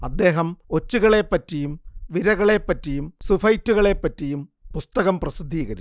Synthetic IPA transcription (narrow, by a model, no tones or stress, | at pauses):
ɐd̪ːe̞ːɦɐmo̞t͡ɕːuɣɐɭe̞pːɐtːijumʋiɾɐɣɐɭe̞pːɐtːijumsufɐjtːuɣɐɭe̞pːɐtːijumpust̪ɐɣɐmprɐsid̪ʱːiːɣɐɾḭ